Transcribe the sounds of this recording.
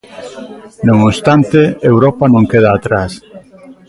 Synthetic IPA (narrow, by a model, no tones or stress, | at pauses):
noŋost̪ant̪eewɾɔpanõŋkeð̞aːt̪ɾas